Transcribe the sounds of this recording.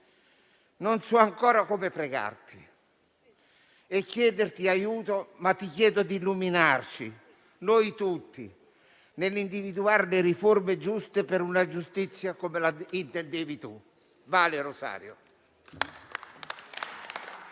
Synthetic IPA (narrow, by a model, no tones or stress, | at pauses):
nonsɔaŋkɔːɾakomɪpɾɛɡa̰rt̪i̥ | ɛkːjɛːd̪ɪrt̪iajuːt̪omat̪ːikjɛːd̪ʊd̪ilːuminart͡ʃḭ | nojt̪ut̪ːḭ | nɪlːind̪ivid̪uaɾlɪɾiformed͡ʒust̪epɪɾunad͡ʒust̪it̪sːjakomelaint̪ɛnd̪evit̪u | vaːlɪroza̰ːɾjo̰